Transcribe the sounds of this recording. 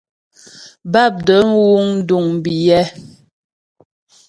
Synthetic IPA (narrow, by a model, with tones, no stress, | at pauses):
ba˦˨p̚də˨˦n̩˦wu˦ŋn̩˦du˦˨ŋm˨bi˨jɛ˦